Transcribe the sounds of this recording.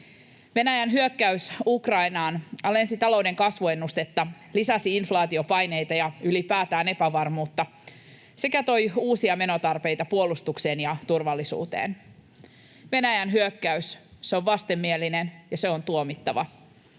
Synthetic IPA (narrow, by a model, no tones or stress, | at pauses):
ʋe̞næjænɦyøkːæysukrɑinɑːnɑlensit̪ɑlo̞wde̞ŋkɑsʋue̞nːust̪e̞t̪ːɑ | lisɑsiinflɑːt̪io̞pɑjne̞jt̪ɑjɑylipæːt̪æːne̞pæʋɑrmuːt̪ːɑ | se̞kæt̪o̞juːsiɑme̞no̞t̪ɑrpe̞jt̪ɑpuo̞lust̪ukse̞ːnjɑt̪urʋɑlːisṵːt̪ḛːn | ʋe̞næjænɦyøkːæysseo̞ʋʋɑst̪e̞mːielinenjɑse̞o̞nt̪uomit̪ːɑʋɑ̰